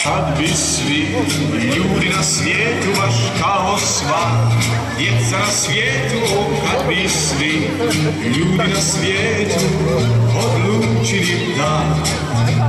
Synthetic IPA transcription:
kʰad̪vis | vi | ʎuːd̪inasvjɛːt̪umaʃkʰaɦɔsva | d̪jɛt̪sanasvjɛːt̪uɔkkʰad̪visvi | ʎuːd̪inasvjɛː | t̪ʰukʰɔd̪lut͡ʃʰiɾibd̪a

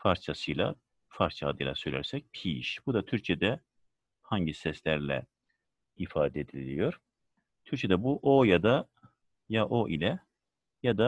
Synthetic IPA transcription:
faɾt͡ʃʰasɯjlˠa̰ | faɾt͡ʃʰaːd̪ɯjlˠa̰søjlʲæ̰ɾsɛc̚pʰiʃb̥ud̪at̪ʰyɾcʰɛd̪ɛ | haɲɟisɛslʲæɾlʲɛ̰ | ifaːd̪ɛd̪ilʲijo̞ɾ̥ | t̪ʰyɾt͡ʃʰed̪ɛbuʔojad̪a | jaʔoʔilʲɛ | jad̪a

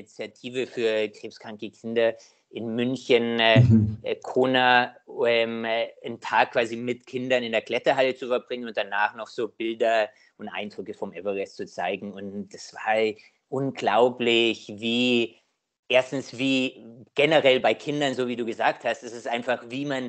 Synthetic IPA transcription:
nit͡sjatʰiːvəfyːɐkʁ̥eːpskʁ̥aŋkəkʰɪndɐ | ʔɪnmʏnçən | kʰoːnaɛməntʰaːkʰːv̥aːzimɪtkʰɪndɐnɪndeːɐkl̥ɛtɐɦalət͡sufɛɐbʁɪŋənʊnt̚d̥anaːχnɔχz̥oːb̥ɪldɐ | ʔʊntʔa̰ɪndʁʏkəfɔmʔɛvɐʁɛst͡sut͡sa̰ɪɡŋ̩ʊntd̥asv̥a̰ːɐ | ʔʊnɡlaʊplɪçviː | ʔeːɐstn̩sv̥iːɡ̥ɛnəʁɛlbaɪkʰɪndɐnzoːviːduːɡəzaːkthastɛsɪsʔaɪnfaχviːman

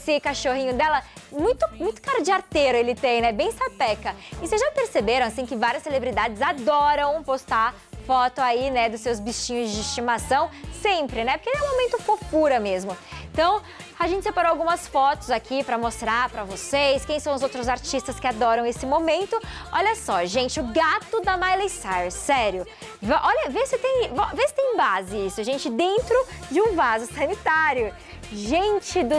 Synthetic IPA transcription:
sɪkaʃoɦĩɲʊd̪ɛlɐ | mũj̃t̪ʊmũj̃t̪ʊ̥kaɾd͡ʒɪaɾt̪eɾʊelɪt̪ẽj̃nɛbẽj̃sapɛkɐɪsezʒapeɾsebeɾɐ̃asĩkɪvaɾiɐsːelebɾid̪ad͡ʒɪzad̪ɔɾɐ̃w̃post̪aɾ | fɔt̪ʊainɛd̪ʊsːewzbist͡ʃĩɲʊzd͡ʒɪist͡ʃimasɐ̃w̃sẽpɾɪnɛpoɾkelɛũmomẽnt̪ʊfokuɾɐmezmʊ̃t̪ɐ̃w̃ | aʒẽnt͡ʃɪsepaɾoawɡũmɐsfɔt̪ʊzakʰipɾɐmost̪ɾaɾpɾɐvosejskẽj̃sɐ̃w̃ʊzowt̪ɾʊzaɾt͡ʃist̪ɐskɪad̪ɔɾɐ̃w̃esɪmomẽnt̪ʊɔʎɐsɔʒẽnt͡ʃɪʊɡat̪ʊd̪ɐmajlesajsɛɾjʊ | vʔɔʎɐvesɪt̪ẽj̃vɔvesɪ̥t̪ẽj̃bazɪisʊʒẽnt͡ʃɪd̪ẽnt̪ɾʊd͡ʒɪũvazʊsɐnit̪aɾjʊ | ʒẽt͡ʃɪd̪ʊ

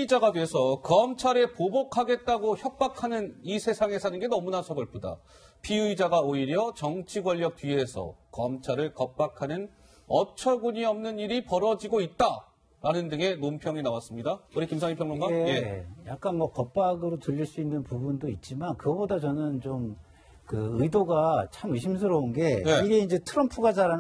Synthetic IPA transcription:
id͡ʑaɡadeesʰʌkʌmt͡ɕʰaɾe̞pobokʰaɡe̞t̚t͈aɡoçjʌp̚p͈akʰanɯnisʰesʰaŋe̞sʰanɯnɡe̞nʌmunasʰʌɡʌɭpʰoda̰ | pʰiɯid͡ʑaɡaoiɾjʌt͡ɕʌŋt͡ɕʰiɡwʌʎːʌk̚t͈ɥie̞sʰʌ̰kʌmt͡ɕʰaɾɯɭkʌp̚p͈akʰanɯn | ʌt͡ɕʰʌɡuɲiʌmnɯniɾipʌɾʌd͡ʑiɡoit̚t͈a | ɾanɯndɯŋe̞nompʰjʌŋinawas͈ɯmɲidaoɾikimsʰaŋɲipʰjʌŋoŋɡaeejak̚k͈anmʌkʌp̚p͈aɡɯɾotuʎːiɭs͈uinːɯnpubundoit̚t͡ɕ͈imankɯɡʌbodat͡ɕʌnɯnt͡ɕom | kɯɯidoɡat͡ɕʰamɯɕʰims̬ʰɯɾʌunɡe̞jeiɡe̞ind͡ʑe̞tʰɯɾʌmpʰuɡad͡ʑaɾa

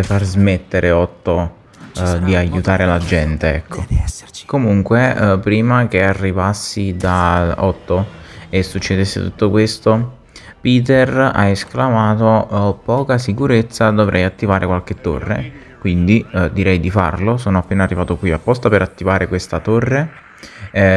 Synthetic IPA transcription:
farzmet̪ːeɾeɔt̪ːo | d̪iajːut̪aːɾelad͡ʒɛnt̪eɛkʰːokomuŋkwepɾiːmak̟earːivasːid̪aɔt̪ːoesːut͡ʃːed̪esːḛt̪ut̪ːokwest̪o | piːt̪era̰esklamaːt̪opɔːkasikuɾet̪sːad̪ovɾʔɛjat̪ːivaːɾʔekwalket̪ːo̰rːḛ | kwind̪id̪iɾɛjd̪ifa̰rlosoːnoapːeːnarːivaːt̪okwiapːɔst̪apeɾat̪ːivaːɾekwest̪at̪orːe

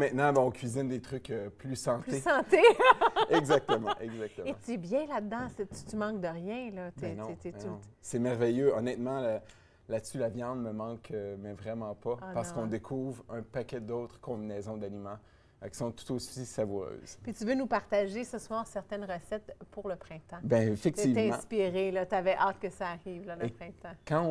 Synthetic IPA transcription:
mɛ̃t̪nɑ̃bɛɔ̃kʲɥizɪnd̪et̪χʏkøplysɑ̃t̪esɑ̃t̪e | ɛɡzak̚t̪əmɑ̃ʔɛɡzakt̪əmẽt̪yɛbjɛ̃lad̪d̪ɑ̃set̪y̥t̪ymɑ̃k̚d̪əʁjɛ̃lʌt̪ɛnɔ̃t̪ɛɔ̃sɛmɛʁvɛjøɔ̰nɛt̪mɑ̃lə | lat̪sylavjɑ̃d̪məmɑ̃kʰəmɛ̃vʁɛmɑ̃pɔpaʁssəkɔ̃d̪ekʰuvʁœ̃pakʲɛd̪ɔt̪χkɔ̃binɛːzɔ̃d̪animɑ̃ | kʲi̥sɔ̃t̪u̥t̪osisavuʁø̰ːz̥pit̪yvønupaʁt̪aʒesəswɑːʁsɛʁt̪ɛnʁəsɛt̪puʁləpχɛ̃t̪ɑ̃bɛ̃efɛk̚t̪ivɛm̃spiʁelʌt̪yavɛʔaːt̪̚kəsaːʁiːvlʌləpχɛ̃t̪ɑ̃kɑ̃

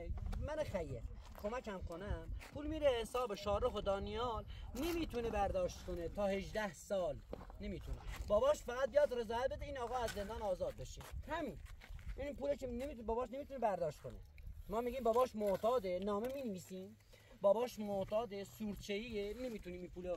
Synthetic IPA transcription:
mænoxæje | kʰomækæmkʰonæmpʰuːlmiɾehesɒːbeʃɒːɾexod̪ɒːnijɒːlnemiːt̪ʰunebæɾd̪ɒːʃt̪kʰonet̪ʰɒːheʒd̪æhsɒːlne̞miːt̪ʰunebɒːbɒːʃfæɣæd̪̚bijɑd̪ɾezɒːjæt̪̚be̞d̪eiːnɒːɣɒːæzːend̪ɑːnɒːzɒːd̪̚beʃihæmiːnipuːlekʰeneibɒbɒːʃne̞miːt̪ʰunebæɾd̪ɒːʃt̪kʰo̰nemɒːmiɡiːmbɒːbɒːʃmoʔt̪ʰɑːd̪enɒːmemiːneviːsiːm | bɒːbɒːʃmot̪ʰɒːd̪esuːɾt͡ʃʰeienemiːt̪ʰuniːmiːpʰuːle

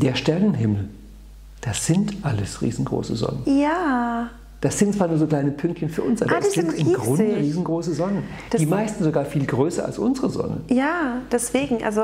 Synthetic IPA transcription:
d̥eːɐʃtɛɐnənɦɪml̩ | d̥asz̥ɪntʔaləsʁḭːzn̩ɡʁo̰ːsəzɔ̰nənjaː | d̥asz̥ɪntt͡sːsv̥aːɐnuːɐzoːklaɪnəpʰʏŋk̚tçənfyːɐʊnsʔa̰ːbassɪntɪmːɡʁʊndəʁiːzn̩ɡʁoːsəzɔnən | d̥ad̥iːmaɪstn̩zoɡaːɐfiːlɡʁøːsɐ̰a̰lsʔʊnzəʁəzɔ̰nə̰jaːd̥ɛsv̥eːɡŋ̩ʔa̰lzo

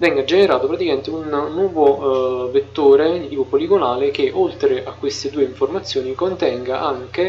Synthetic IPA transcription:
vɛŋɡad͡ʒeneɾaːt̪opɾat̪ikament̪eunːwɔːvovet̪ːoːɾed̪it̪iːpopoliɡonaːlek̟eʔolt̪ɾeʔakːwest̪ed̪uːeiɱformat̪sːjoːnikont̪ɛŋɡaʔaŋke

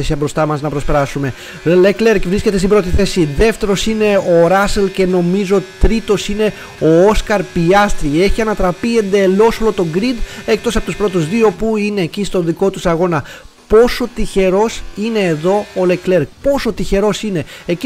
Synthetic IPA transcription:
esiɐbɾo̞st̪ɐmɐznɐpɾo̞spe̞ɾɐsume̞ | lekle̞ɾkvɾisce̞t̪est̪ibɾo̞t̪iθe̞siðe̞ft̪e̞ɾo̞sine̞oɾɐselce̞no̞mizo̞t̪ɾit̪o̞sine̞ | o̞oskɐɾpiɐst̪ɾie̞çiɐnɐt̪ɾɐpie̞nd̪e̞lo̞solot̪o̞ɡɾid̪ek̚t̪o̞sɐpot̪uspɾo̞t̪uzðio̞puine̞ːcist̪o̞ðiko̞t̪usɐɣo̞nɐ | po̞so̞t̪içe̞ɾo̞sine̞ːðo̞olekle̞ɾpo̞so̞t̪içe̞ɾo̞sine̞eci

